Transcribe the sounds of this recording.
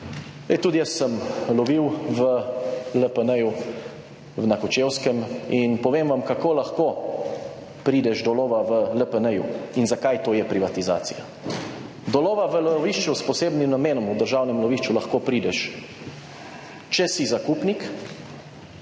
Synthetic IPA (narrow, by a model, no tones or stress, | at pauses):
ɛjt̪uːd̪ijəst̪səmlɔʋiwʋəlɛpənəju | wnakɔt͡ʃewskɛminpɔʋeːmʋamkakoːlaxkoː | pɾiːd̪ɛʒd̪ɔloːʋaʋələpənɛjṵinzakajt̪oːjɛpɾiʋat̪iza̰ːt̪sḭja | d̪ɔloːʋaʋəlɔʋiʃt͡ʃuspɔseːbnimnameːnɔmud̪əɾʒawnɛmlɔʋiʃt͡ʃulaxkoːpɾiːd̪ɛʃ | t͡ʃɛsizakupnik